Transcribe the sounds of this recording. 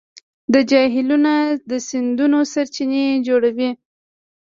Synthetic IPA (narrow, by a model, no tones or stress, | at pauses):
d̪əd͡ʒɑɦɪlunad̪əsɪnd̪unosaɾt͡ʃined͡ʒoɽawi